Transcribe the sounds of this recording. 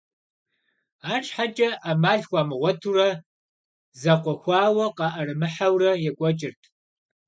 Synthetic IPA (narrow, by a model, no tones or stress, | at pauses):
aːʈ͡ʂʰʼħat͡ʃʼɐʔaːmaːɮxʷaːmɨʁʷɔtʰurɐ | zɐqʷɔxʷɑːwɐqɑʔɐrɨmɨħawrɐjɛkʷʼɔt͡ʃʼɪrtʰ